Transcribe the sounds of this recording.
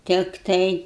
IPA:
ˈtʲɪktɐɪ

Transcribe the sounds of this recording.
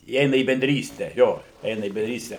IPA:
iːˈɛɪnɐ iː bʲɛnʲˈdʲrʲiːsʲtʲɛ ˈjoː ˈɛɪnɐ iː bʲɛnʲdʲˈrʲiːsʲtʲɛ

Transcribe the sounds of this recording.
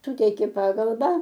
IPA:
ˈsʊtʲɛɪkʲeː ˈpɑːɡɐlˠbɐ

